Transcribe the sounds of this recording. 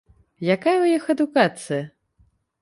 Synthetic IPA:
jakajɐwjixɐd̪ukat̪sɨjɐ

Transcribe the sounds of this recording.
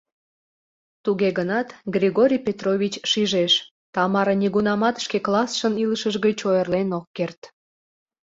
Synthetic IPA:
t̪uɣeɣənɑt̪ɡrʲiɣoɾʲijpʲet̪rovʲit͡ɕʃiʒeʃ | t̪ɑmɑɾənʲiɣunɑmɑt̪ə̥ʃkeklɑsʃəniləʃəʒɣət͡ɕojərlenokːert̪

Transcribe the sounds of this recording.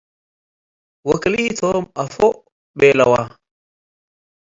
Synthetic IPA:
wakiliitʰɔmafɔ | ɓɛlawa

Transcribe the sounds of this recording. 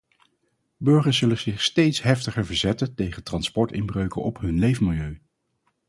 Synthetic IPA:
bɵɹχəɹsz̥ɵləzɪχstejtsɦɛftəχəɹvəɹzɛtəntejχətrɑnspɔɹtɪ̰nbrøɥkə̰nʔɔpɦɵnlejvəmɪlˠjøɥ

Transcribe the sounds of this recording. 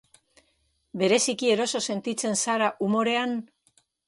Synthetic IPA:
be̞ɾe̞sikie̞ɾo̞so̞se̞nt̪it͡se̞nsaɾaʔumo̞ɾe̞an

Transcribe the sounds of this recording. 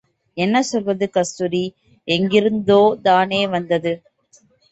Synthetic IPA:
ɛnːɐsɔlʋɐðɯkɐst̪uɾi | ɛŋɡɪɾɯnd̪oːt̪aːneːʋɐnd̪ɐðɯ

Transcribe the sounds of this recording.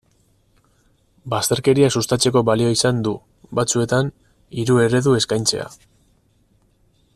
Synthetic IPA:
bast̪e̞ɾke̞ɾiasust̪at͡se̞ko̞βalio̞isand̪u | bat͡sue̞t̪an | iɾue̞ɾe̞ðue̞skajnt͡se̞̰a̰

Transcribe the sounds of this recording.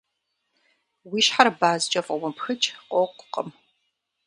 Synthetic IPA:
wiːʃħaɾbaːzd͡ʒʼɐfʼɐwɐpʰxɨt͡ʃʰʼqʷʼɔqʷʼqʼəm

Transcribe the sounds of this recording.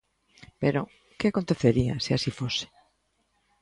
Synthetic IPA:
peɾo | keakont̪eθeɾia̰seasifose̥

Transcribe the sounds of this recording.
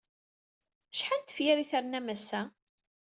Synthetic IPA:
ʃħant̪fjɪɾiθəɾnæmæsæ

